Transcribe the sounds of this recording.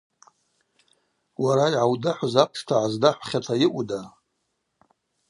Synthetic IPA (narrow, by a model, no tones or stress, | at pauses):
waɾajʕawdaħʷazapʰʂtʰaʕazdaħʷχʲatʰajɪʔʷʼuda